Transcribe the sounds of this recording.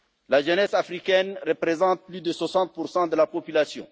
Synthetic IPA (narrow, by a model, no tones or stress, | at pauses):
laʒənɛsafʁikɛnʁəpʁezɑ̃t̪̚plyd̪əswasɑ̃t̪̚puʁsɑ̃d̪əlapɔpylasjɔ̰̃